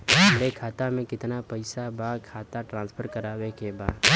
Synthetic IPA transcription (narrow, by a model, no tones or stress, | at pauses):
ɐɾekʰaːt̪amẽkɪt̪napəɪsabaːkʰaːt̪aʈɾãːnspʰəɾkəɾaːwekebaːd̪